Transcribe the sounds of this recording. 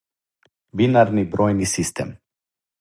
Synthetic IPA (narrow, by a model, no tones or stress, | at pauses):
binaɾnibɾojnisist̪ɛ̰m